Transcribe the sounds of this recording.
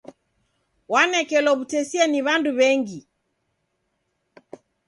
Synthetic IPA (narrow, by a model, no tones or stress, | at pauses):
wanɛkɛlɔβutɛsiɛniβanduβɛŋɡi